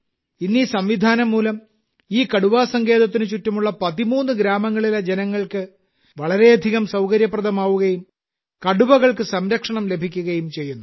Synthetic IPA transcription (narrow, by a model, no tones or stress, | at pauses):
inːisɐmʋid̪ʱaːnɐmːuːlɐm | iːkɐɽuʋaːsɐŋɡe̞ːðɐt̪̬ːinɨt͡ɕutːɐmuɭːɐpɐðimuːnːɨɡɾaːmɐŋːɐɭilɐd͡ʑenɐŋːɐɭkɨ | ʋɐɭɐɾe̞ɐd̪ʱiɣɐmsɐwkɐɾjɐprɐd̪ʱɐmaːʋuɣɐjum | kɐɽubɐɣɐɭkɨsɐmɾɐkʂɐɳɐmle̞bʱikʲːuɣɐjumt͡ɕe̞jːunːu